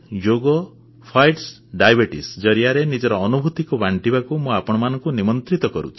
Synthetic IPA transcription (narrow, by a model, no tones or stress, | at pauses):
d͡ʒoɡɔ | pʰajʈs | ɖajbeʈḭsd͡ʒɔɾiaɾenid͡ʒɔɾɔːnubʱut̪ikɔbaɳʈibakumũapɔɽ̃ɔmanɔŋkunimɔnt̪ɾit̪ɔkɔɾṵt͡ʃʰi